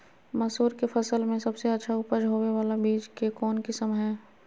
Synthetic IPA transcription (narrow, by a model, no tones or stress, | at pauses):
mɐsuːɾkefʰɐsəlmẽsɐbseɐtːʃʰaʊpəd͡ʒɦoːweʋaːlabiːd͡ʒkekɔːnkisəmɦɛː